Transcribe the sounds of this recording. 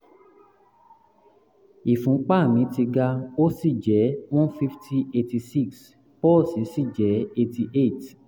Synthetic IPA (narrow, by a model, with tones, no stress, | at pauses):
i˨fũ˨˦k͡pa˦˨mĩ˨˦ti˧ɡa˧o˦si˦˨d͡ʒɛ˨˦w̃ɔ̃˦nfi˦ftʰi˦e˧ti˧si˦˨ks | pɔ˦˨si˨˦si˦˨d͡ʒɛ˨˦e˧ti˧ʔe˦˨t